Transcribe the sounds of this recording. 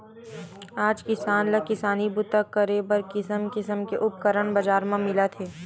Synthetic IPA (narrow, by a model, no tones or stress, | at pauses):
aːd͡ʒkɪsaːnlakɪsaːnibʊt̪akəɾebəɾkɪsəmkɪsəmkeʔʊp̚kəɾəɳbɐzd͡ʒaːɾmãmɪlat̪ʰeː